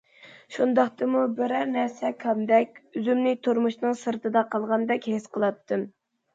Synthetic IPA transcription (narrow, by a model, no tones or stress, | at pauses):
ʃund̪ɑχt̪ɨmubɪɾæɾnæɾsɛkʰɑmd̪ɛkʲyzymnɪt̪ʰuɾmuʃnɨŋsɨɾt̪ʰɨd̪ɑqʰɑlˠʁɑnd̪ɛkʲhesqəlˠɑt̪ʰːɨm